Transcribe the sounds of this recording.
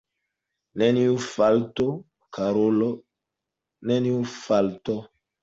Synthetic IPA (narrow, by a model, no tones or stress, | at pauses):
neniufalto | kʰaɾolo | neniufaltɔ